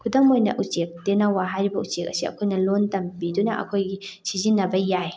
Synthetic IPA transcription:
kʰudɐmojnɐ̰ʔut͡ʃek̚denɐwaɦajɾibɐʔut͡ʃek̚ɐ̰siɐ̰kʰojnɐlontɐmbidunɐʔɐ̰kʰojɡisizinːɐbɐjaj

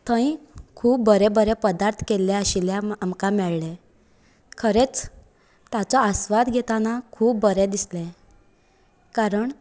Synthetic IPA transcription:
t̪ʰə̃ĩkʰuːp̚bəɾebəɾepəd̪aɾt̪ʰkelːɛ̃əɕiljɛamkamɛɭlɛ | kʰəɾet͡s | t̪jat͡sɔəsʋad̪ɡʱet̪anakʰuːbːəɾɛd̪islɛ̃ | kaɾəɳ

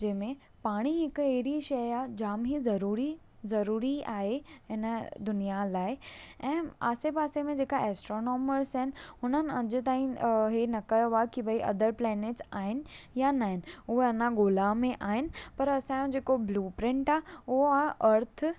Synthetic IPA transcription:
d͡ʑɐ̃ɦmẽ | paːɽ̃iɦɪkeɦɪɾiʃɐjaːd͡ʑaːmɦizɐɾuːɾi | zɐɾuːɾiaːɦeɦɪnəd̪ʊnijalaːɪɛ̃ːa̰ːsebaːsemẽd͡ʑeːkaʔɛːsʈɾoːnoːməɾsɦɪnɪ̆ɦʊnənɪ̆ɐd͡ʑʊ̆t̪aːĩɦenɐkɐjoakibɐiʔɐ̰d̪əɾplɛːneːʈsaːɦɪnɪ̆janaːɦɪnɪ̆ʊɦeɐnaɡoːlamẽʔaːɦɪnɪ̆pɐɾɐsãjõd͡ʑeːkobluːpɾɪ̃ɳʈaːʊɦoaʔɐɾt̪ʰ

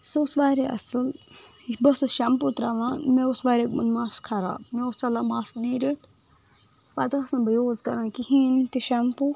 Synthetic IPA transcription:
sɨsʋaːɾeʔɐ̰sɨl | bɐsɨʃɐmput̪ɾaʋãːmeusʋaːɾekmɐ̰nmaːskʰɐɾa̰ːbmeost͡ʃɐlamaːsniɾit̪ʰ | pad̪ɐɐsɐnbɐjoːzkɐɾãːkihiːnt̪iʃɐmpu

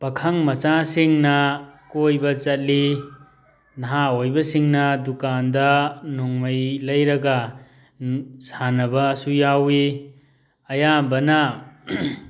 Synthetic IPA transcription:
pɐkʰɐŋmɐt͡ʃasiŋnɐkojbɐt͡ʃɐt̚li | nɐɦaojbɐsiŋnɐdukandɐnuŋmɐjlɐjɾɐɡɐ | sanɐbɐsujawi | ɐjabɐnɐ

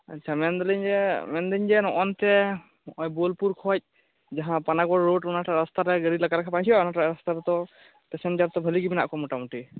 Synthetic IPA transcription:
a̰tːt͡ʃʰamɛnd̪ɔliɲd͡ʒɛmɛnd̪iɲd͡ʒɛnɔʔɔnt̪ɛ | ɔjbolpuɾkʰɔt̚ | d͡ʒaɦãpanakbɔɾɾoɖɔnaʈaɾast̪aɾɛɡəɽilaɡaɾakʰapãjsʰijɔɔnaʈaɾast̪aɾɛt̪ɔ | pɛsɛnd͡ʒaɾt̪ɔbʱəliɡibina̰ʔkɔmɔʈamuʈi

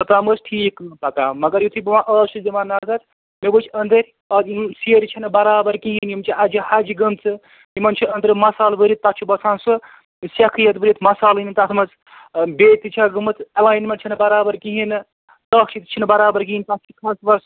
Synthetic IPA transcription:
tɐt̪aməsʈʰiːkpɐkaːmɐɡɐɾjut̪ʰubuʋãːʔɐːʃusd̪imanɐzɐɾ | mebot͡ʃʰɐnd̪ɐɾʲ | ɐimseːɾʲt͡ʃʰinbɐɾaːbɐɾkiɦinjimt͡ʃʰiʔɐd͡ʒihɐd͡ʒiɡɨmt͡sɨ | imɐnt͡ʃʰiɐnd̪ɾimɐsaːlbɨɾit̪̚pɐkt͡ʃʰibɐsʰaːnsɨ | sʲɐkʰɨjɐt̪bɨɾit̪ʰmɐsaːlinit̪ɐt̪ʰmɐt͡s | bet̪it͡ʃʰaɡɨmɨt͡sɐlaːjnmeɳʈ̚t͡ʃʰinɨbɐɾaːbɐɾkiɦinɨ | t̪ɐkt͡ʃʰit̪t͡ʃʰinbɐɾaːbɐɾkiint̪ɐt͡ʃʰikʰɐːsʋɐɾs

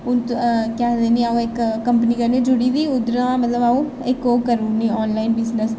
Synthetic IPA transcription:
ʊnt̪kɛːd̪eːniaõɪkkːəmpəniːkəɾneːd͡ʒʊɽiːd̪iːʊd̪əɾãmət̪ləbaːũ | ɪkoːkəɾũːniːɔːnlaːinbɪznəs

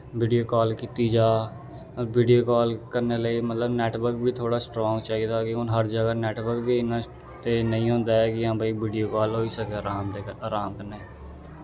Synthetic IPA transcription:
ʋiːɖijoːkɔːlkiːt̪iːd͡ʒaː | ʋiːɖioːkɔːlkəɾneːləiːmət̪ləbnɛːʈbəɾkbʱiːt̪ʰoːɽaːsʈɾɔ̃ːŋɡt͡ʃaːiːd̪aːkɪɦʊnɦəɾd͡ʒəɡaːnɛːʈbəɾkbiːɪnãː | t̪eːnəĩːɦõːnd̪aːɛːkɪjãːbʱaiːʋiːɖijoːkɔːlɦoːiːsəkeːɾaːmd̪eaːɾaːmkəneː

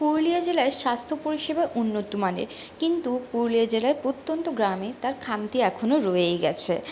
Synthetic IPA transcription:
puɾlijad͡ʑelaeɾʃast̪ʰopoɾiʃebaʔunːot̪ːumanḛɾ | kint̪upuɾliad͡ʑelaepot̪ːont̪oɡɾamet̪aɾkʰamt̪iɛkʰonoɾojejɡɛt͡ɕʰe

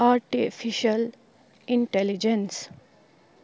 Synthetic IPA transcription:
aɾʈifʰiʃɐl | iɳʈelid͡ʒens

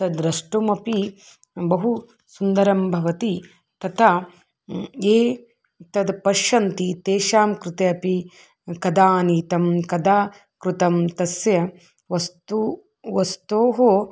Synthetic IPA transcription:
t̪ɐd̪ɾɐʂʈumɐpi | bɐɦu | sund̪ɐɾɐmbʱɐʋɐt̪i | t̪ɐt̪ʰɐ | eː | t̪ɐd̪pɐʃɐnt̪it̪eːʃaːmkɾut̪eɐpi | kɐd̪aːniːt̪ɐmkɐd̪aː | kɾut̪ɐmt̪ɐsjɐ | ʋɐst̪u | ʋɐst̪oːɦoː

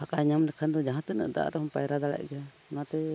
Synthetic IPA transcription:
hakʼaɲamlɛkʰand̪ɔd͡ʒaɦãt̪ɛnə̰ʔd̪a̰a̰ɾɛhɔmpajɾad̪ala̰ʔɡɛa | nat̪ɛ

